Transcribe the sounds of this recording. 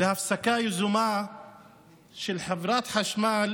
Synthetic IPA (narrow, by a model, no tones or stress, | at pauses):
lhafsakaːjzʊmaː | ʃɪlħavɾˤɑːt̪ħaʃmaːl